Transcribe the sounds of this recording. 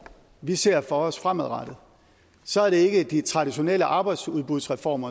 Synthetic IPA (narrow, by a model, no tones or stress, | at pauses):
ʋise̝ɐ̰fɒ̽ɒ̽sfʁameð̩ˠʁɑd̥ð̩ˠ | sɒ̽æɐɾe̝e̝ɡ̥əd̥it͡sʰʁɑ̈ɾ̥iɕo̝nḛləʔɑ̈ːb̥ɑ̈ɪd̥suðˠb̥uð̞ˠsʁɛfɒ̰ːmɐ